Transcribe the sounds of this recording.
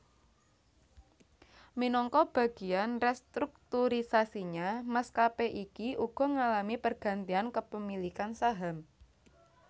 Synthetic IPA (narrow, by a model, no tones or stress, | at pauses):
minɔŋkɔb̥ä̤ɡ̥i̤anrɛst̪ɾuk̚t̪uɾisasiɲamaskapeʔikiʔuɡ̥ɔ̤ŋalamipərɡ̥a̤nt̪iankəpəmilikansaɦam